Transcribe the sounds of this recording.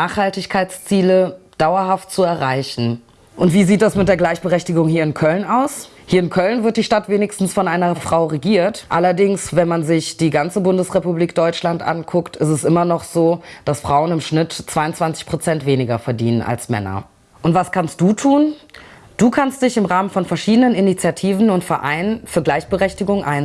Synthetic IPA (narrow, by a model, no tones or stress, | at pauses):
naːχhaltɪçkʰaɪt͡st͡siːləd̥aʊɐɦaft̚t͡suɛɐʁaɪçn̩ | ʔʊntv̥iːziːt̚d̥asmɪtd̥eːɐɡlaɪçb̥əʁɛçtɪɡʊŋhiːɐɪnkʰœlnaʊs | hiːɐɪnkʰœlnvɪɐt̚d̥iːʃtatv̥eːnɪçstn̩sfɔnʔaɪnɐfʁ̥aʊʁeɡiːɐtʔalɐdɪŋsvɛnmanzɪçd̥iːɡant͡səbʊndəsʁepubliːk̚d̥ɔʏt͡ʃlantʔa̰nkʰʊktɪstɛsʔɪmɐnɔχz̥oːd̥asfʁ̥aʊənɪmʃnɪtt͡sv̥aɪʊnt͡sv̥ant͡sɪ̥çpʁ̥ot͡sɛntv̥eːnɪɡɐfɛɐdḭːnəna̰lsmɛ̰nɐ̰ | ʔʊntv̥askʰanst̚d̥uːtʰuːn | d̥uːkʰanstd̥ɪçɪmʁaːmənfɔnfɛɐʃiːdənəninit͡sjatʰiːvn̩ʊntfɛɐʔa̰ɪnənfyːɐɡlaɪçb̥əʁɛçtɪɡʊŋʔa̰ɪn